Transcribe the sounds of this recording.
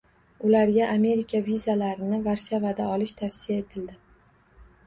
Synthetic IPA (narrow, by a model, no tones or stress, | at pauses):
ʊlaɾɡʲaʔame̞ɾikʲʰavizalaɾɪnɪvaɾʃavad̪aɒlɪʃt̪ʰafsɪjae̞t̪ʰɪld̪ɪ